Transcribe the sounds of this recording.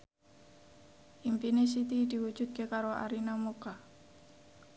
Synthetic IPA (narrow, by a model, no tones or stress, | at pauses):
ʔimpines̬it̪id̪̥i̤wud̥ʒ̥ṳt̪̚kekaɾoa̰ɾinamoka